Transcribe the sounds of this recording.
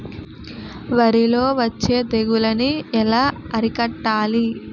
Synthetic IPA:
ʋɐɾilo̞ːʋɐt͡ʃːe̞ːd̪eɡulɐniɛlaːɐɾikɐʈːaːli

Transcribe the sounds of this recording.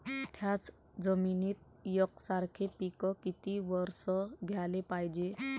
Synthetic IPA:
t̪ʰjat͡s | d͡zəminiːt̪̚ | jɔksaɾkʰepikɔkit̪iʋɔɾsɔɡʱjalepajd͡ʑe

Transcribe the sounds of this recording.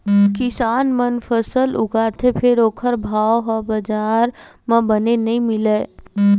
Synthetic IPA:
kɪsaːnmənfʰəsəlʊɡaːt̪ʰepʰɪɾoːkʰəɾbʱaːoɦəbɐd͡ʒaːɾmə̃bənenɐɦĩmɪleː

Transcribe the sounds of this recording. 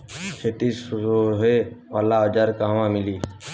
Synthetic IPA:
t͡ʃʰet̪iːsoːɦeːaːlaːɦd͡ʒaːɾkaːʋãːmɪliː

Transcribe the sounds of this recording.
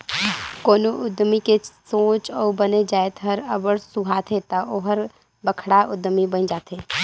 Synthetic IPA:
koːnoʔʊd̪mikesõːt͡ʃɔːbəned͡ʒaːet̪ɦəɾəbəɾsuɦaːt̪ʰet̪aʔoɦəɾ | bəkʰɽaʔʊd̪mibənd͡ʒaːt̪eː

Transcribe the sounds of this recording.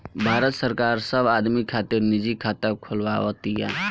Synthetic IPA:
bʱaːɾət̪səɾkaːɾsəbaːd̪mikʰaːt̪ɪɾnɪd͡ʒikʰaːt̪akʰʊlwaːʋot̪ija̰

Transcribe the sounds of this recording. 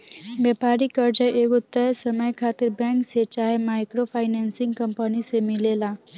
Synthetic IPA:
bjɛpaɾikəɾd͡ʒəʔekut̪ːəsəməjkʰat̪iɾbãŋkset͡ʃaɦemajkɾopʰajnansiŋɡkəmpənisemilela

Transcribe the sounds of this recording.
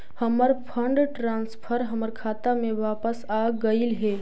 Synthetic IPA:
həməɾpʰəɳɖʈɾãːnspʰəɾɦəməɾkʰaːt̪amẽʋaːpəsaːɡəilɦɛː

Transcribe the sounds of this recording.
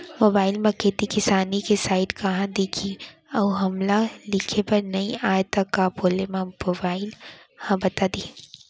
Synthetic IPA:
moːbaːɪlmɐkeːt̪ikɪsaːnikesaːɪʈkɐɦãd̪eːkʰiɐuɦɐmlalɪkʰepɐɾnɐĩʔaːjt̪akːaboːlemãmobaːɪlhãbɐt̪ad̪iː

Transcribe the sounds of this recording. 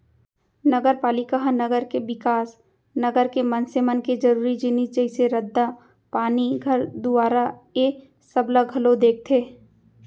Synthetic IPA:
nəɡəɾpaːlɪkaɦnɐɡəɾkebɪkaːs | nɐɡəɾkemənsemənked͡ʒɐɾuːɾid͡ʒɪnid͡ʒɐiseɾəd̪ːa | paːniɡʱɐɾd̪ʊaːɾae | sɐbləɡʱɐlod̪eːk̚t̪ʰeː

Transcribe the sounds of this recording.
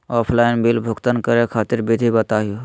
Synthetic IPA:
ɔːpʰlaːɪnbɪlbʱʊkt̪ənkəɾekʰaːt̪ɪɾbɪd̪ʱibət̪aːɦijo

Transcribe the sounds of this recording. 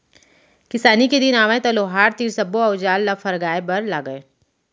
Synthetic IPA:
kɪsaːniked̪ɪnaːʋaẽt̪ɐloːɦaːɾt̪iːɾsɐbːoɐʊd͡ʒaːlːɐfʰɐɾɡaːebɐɾlaːɡəe

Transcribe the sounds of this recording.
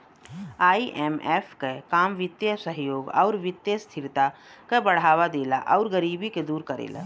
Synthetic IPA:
aːiʔɛːmeːfʰkekaːmʋɪt̪jəsəɦjoːɡɔ̰ːɾʋɪt̪jəst̪ʰɪɾt̪akebəɽ̤aːʋad̪eːla̰ʔɔʊɾɡəɾiːbiked̪uːɾkəɾḛːla̰

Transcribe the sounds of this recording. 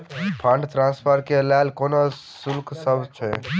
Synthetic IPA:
pʰəɳɖt̪ɾãnspʰəɾkelalkonosulksəbt͡ʃʰɛ

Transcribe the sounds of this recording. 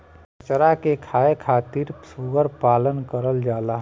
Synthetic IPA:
ət͡ʃəɾakekʰaːekʰaːt̪iːɾsuɡəɾpaːlənkəɾəld͡ʒaːlaɦ

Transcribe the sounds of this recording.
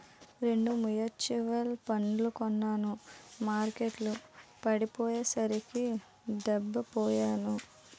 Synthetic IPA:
ɾe̞ɳɖumujɐt͡ʃiʋɐlpɐɳlukɔnːaːnumaːɾkeʈlupɐɽipɔːjeːsɐɾiki | ɖɛbːɐpɔːjaːnu

